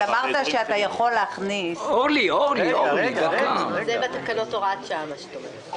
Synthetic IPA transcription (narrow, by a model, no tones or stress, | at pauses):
amaʁt̪aʃeat̪ajaχo̞lːeaχnisoliolioɡzebet̪akanotoʁat̪ʃamast̪ome